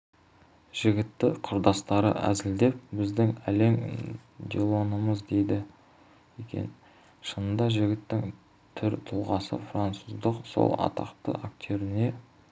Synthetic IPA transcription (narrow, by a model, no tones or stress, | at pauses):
ʒ̥ɪɡʲɪt̪ːɪqʰʊɾd̪ɑst̪ɑɾə̰ʔæ̰zɪld̪e̞p̚bɪzd̪ɪŋæle̞ŋd̪ʲelˠo̞nəməzd̪e̞jd̪ɪ | ekʲʰḛn | ʃənənd̪ɑʒɪɡʲɪt̪ːɪŋ | t̪ʰʏɾt̪ʰʊlˠʁɑsə̰frant̪suzd̪əqso̞̰lˠɑ̰t̪ɑ̰qt̪ə̰ʔak̚t̪ʲoɾɪne̞